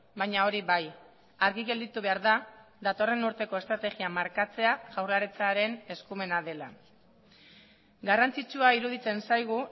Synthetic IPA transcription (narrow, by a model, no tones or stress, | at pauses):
baɲao̞ɾiβaj | aɾɣiɣe̞ld̪it̪uβe̞aɾða | ðat̪o̞re̞nuɾt̪e̞ko̞est̪ɾat̪e̞ɣiamaɾkat͡se̞aʝ̥awrlaɾet͡saɾe̞ne̞skume̞naðe̞la̰ | ɡarant͡sit͡ʃuaiɾuð̞it͡se̞nsajɣ̞u